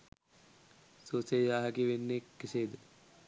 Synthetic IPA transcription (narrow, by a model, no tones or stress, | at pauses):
soːsejaːɦəkiʋenːekːeseːd̪ə